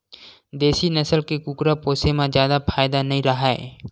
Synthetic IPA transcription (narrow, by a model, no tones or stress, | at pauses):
d̪eːsinəsəlkekukɾapoːsemãzjaːd̪apʰaːjd̪anɐɦĩɾəɦaːḛː